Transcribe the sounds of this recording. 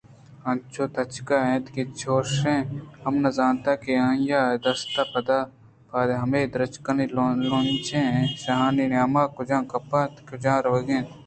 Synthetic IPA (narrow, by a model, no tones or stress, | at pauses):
ɐ̃nt͡ʃʰoːt̪ʰɐt͡ʃkaẽːt̪kit͡ʃʰoːʃẽːhɐmnɐzaːnt̪akeãːjaːed̪ɐst̪apɐd̪aː | pʰaːd̪eɦɐmeːd̪ɾɐt͡ʃkɐnilolõnt͡ʃʰẽːẽsɐɦãːninaːmaːkʊd͡ʒãːkɐpat̪kʊd͡ʒãːɾɐʋɐɡẽːt̪